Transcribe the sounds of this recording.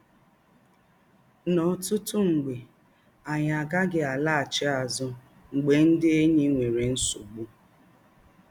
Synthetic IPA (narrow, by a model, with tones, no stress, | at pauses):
nɔ˨tʊ˦tʊ˦ŋ͡m̩˨ɡ͡be˨ | a˨ɲa˨ɡa˦ɡɪ˨a˨la˦a˨t͡ʃɪ˦a˨zʊ˨ | ŋ͡m̩˨ɡ͡be˨n̩˦dɪ˦e˦ɲe˦ŋʷe˨ɾe˨n̩˦su˨ɡ͡bu˦